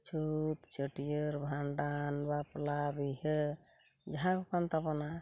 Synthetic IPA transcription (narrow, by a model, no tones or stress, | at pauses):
t͡ʃʰut̪t͡ʃəʈijəɾbʱãɳɖanbaplabiɦə | d͡ʒəɦãkokant̪əpna